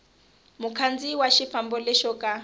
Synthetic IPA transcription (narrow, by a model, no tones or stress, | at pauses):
mukʰand͡ziwaʃifambɔlɛʃɔkʼa